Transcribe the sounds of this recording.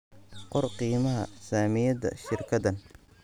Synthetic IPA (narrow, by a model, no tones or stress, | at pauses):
qɔrqiːmɐɦɐ̰saːmɪjɐd̪ɐ̰ʃɪrkʰɐðɐn